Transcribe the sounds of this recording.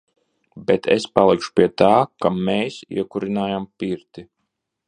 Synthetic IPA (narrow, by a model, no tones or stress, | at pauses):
bɛt̪ʰḛspalˠikʃu̥pʲiɛt̪aːkameːsḭɛkuɾinaːjampiɾt̪i